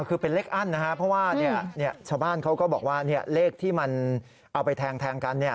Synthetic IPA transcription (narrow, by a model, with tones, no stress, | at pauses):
kʰɯː˧pe˧nleː˥˩k̚ʔa˥˩nːa˦˥kʰa˦˥pʰɾɔ˦˥waː˥˩ni˥˩ɐni˥˩ɐt͡ɕʰaː˥˩wbaː˥˩nkʰa˦˥wkɔː˥˩bɔː˨˩k̚waː˥˩ni˥˩ɐleː˥˩k̚t̪ʰiː˥˩ma˧n | ʔa˧wpa˧jt̪ʰɛː˧ŋt̪ʰɛː˧ŋka˧nːi˥˩ɐ